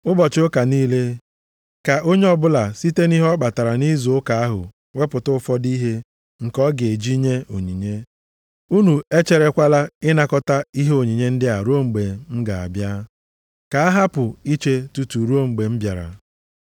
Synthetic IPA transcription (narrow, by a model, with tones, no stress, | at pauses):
ʊ˦bɔ˨t͡ʃɪ˨ʊ˦ka˨niː˦le˦ | ka˨ʔo˦ɲe˦ɔ˦bʊ˦la˨si˦te˦ni˦ɦɔ˦k͡pa˨ta˨ɾa˨ni˦zʊ˨ʊ˦ka˨a˦ɦʊ̰˨ | we˦pʊ˨tʊ˦fɔ˦di˦ɦe˦ | ŋ̩˨kɔ˦ɡe˨e˨d͡ʒi˦ɲe˦o˨ɲi˨ɲe˦ | u˦nu˨e˦t͡ʃe˨ɾe˦kʷa˦la˦ɪ˦na˦kɔ˦ta˦i˦ɦe˦o˨ɲi˨ɲe˦n̩˦dɪ˦a˨ɾu˦o˦ŋ͡m̩˨ɡ͡be˨m̩˦ɡa˨a̰˨bja˦ | ka˨a˦ɦa˦pʊ˨i˦t͡ʃe˦tu˦tu˨ɾu˦o˦ŋ͡m̩˨ɡ͡be˨m̩˦bja˨ɾa̰˨